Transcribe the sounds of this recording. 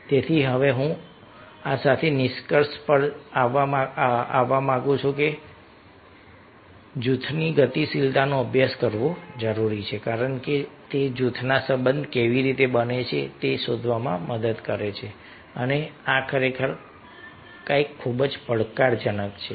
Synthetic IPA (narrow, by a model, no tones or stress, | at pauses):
t̪et̪ʰiɦəʋeɦũ | asat̪ʰenɪʃkəɾʃpəɽaʋaa̰ʋːamãɡũt͡ʃʰuke | d͡ʒut̪ʰniɡət̪isilt̪anoəbʱjaskəɾʋod͡ʒəɾuɾit͡ʃʰekaɾəɳket̪ed͡ʒut̪ʰnasə̃mbənd̪ʱkeʋiɾit̪ebənet͡ʃʰet̪esod̪ʱʋamãməd̪əd̪kəɾet͡ʃʰe | əneakəɾekʰəɾ | kaikʰːubd͡ʒpəɽkaɾd͡ʒənəkt͡ʃʰe